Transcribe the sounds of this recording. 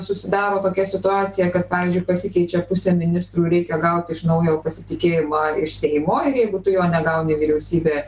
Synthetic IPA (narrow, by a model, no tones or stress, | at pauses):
sʊsʲɪd̪ɑːɾoːt̪oːkʲɛsʲɪt̪ʊɑːt͡ssʲɪjɛkɐt̪̚pɑːʋʲiːzʲd͡ʒʲʊɪpɐsʲɪkʲɛɪt͡ʃʲɛpʊsʲeːmʲɪnʲɪst̪ɾuːɾʲɛɪkʲɛɡɐʊt̪ʲɪʃnɐʊjoːpɐsʲɪt̪ʲɪkʲeːjɪmɑːɪʃsʲɛɪmoːɪɾjɛɪɡʊt̪ʊjoːnʲɛɡɐʊnʲɪʋʲiːɾʲɛʊsʲiːbʲeː